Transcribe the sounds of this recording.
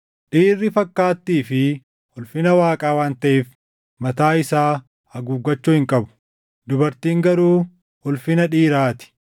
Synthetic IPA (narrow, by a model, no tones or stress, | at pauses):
ᶑiːrːɪfɐkːaːt̪ːiːfɪ | hʊlfɪnɐwaːkʼaːwaːnt̪ɐʔeːf | mɐt̪aːɪsaː | ɐɡuːɡːɐt͡ʃːʊhɪŋkʼɐbʊ̥ | d̪ʊbɐɾt̪iːŋɡɐɾuː | hʊlfɪnɐᶑiːɾaːt̪ɪ̥